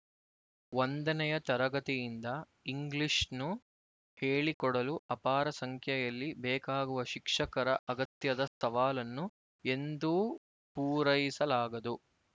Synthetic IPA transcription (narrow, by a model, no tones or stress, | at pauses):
ʋond̪ɐnɛjɐt̪ɐɾɐɡɐt̪ijind̪ɐ | iŋɡliʂnu | heːɭikɔɽɐluʔɐpaːɾɐsɐŋkʰjɐjɐlːibɛːkaːɡuʋɐʃikʂɐkɐɾɐʔɐɡɐt̪jɐd̪ɐst̪ʰɐʋaːlɐnːu | e̞nd̪u | puːɾɐjisɐlaːɡɐd̪u